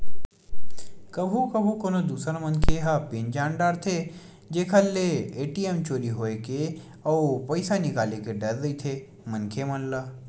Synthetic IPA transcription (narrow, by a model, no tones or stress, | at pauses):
kɐbʱũkɐbʱukoːnod̪uːsɾamɐ̃nkʰeɦapeːnd͡ʒaːnɖaːɾt̪ʰe | d͡ʒeːkʰɐlːeeːʈiemt͡ʃoːɾiɦoːeke | ɔːpɐɪsanɪkaːlekeɖɐɾd̪ɐit̪ʰe | mɐnkʰemɐnla